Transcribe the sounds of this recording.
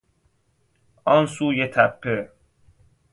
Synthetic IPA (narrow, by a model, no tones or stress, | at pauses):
ɒnsuːjet̪ʰæpʰːe